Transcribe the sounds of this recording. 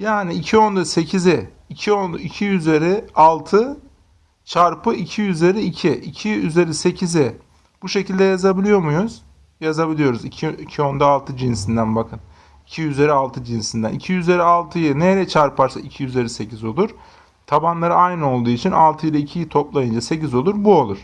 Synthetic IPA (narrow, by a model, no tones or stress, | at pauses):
jaːniːcʰio̞nd̪ase̞cʰizɪː | cʰionicʰijyze̞ɾɪalˠt̪ʰɯ | t͡ʃʰaɾpʰɯicʰijyzʲe̞ɾiicʰiʔicʰiyze̞ɾise̞cʰizɪ | b̥uʃecʰilʲd̪ɛjazabilʲijo̞ɾmujuz̥ | jazabilʲijo̞ɾuzicʰiicʰio̞nd̪aːlˠt̪ʰɯd͡ʒinsind̪ænbakʰɯn | icʰijyze̞ɾialˠt̪ʰɯd͡ʒinsind̪æ̰nicʰijyze̞ɾialˠt̪ʰɯjɯnejɾɛt͡ʃʰaɾpaɾsaicʰijyze̞ɾise̞cʰizo̞lˠuɾ̥ | t̪ʰabanlˠaɾɯajnɯo̞lˠd̪uːit͡ʃʰina̰lˠt̪ʰɯjilˠaicʰijit̪ʰo̞plˠajɯnd͡ʒase̞c̬izo̞lˠuɾbuo̞lˠuɾ̥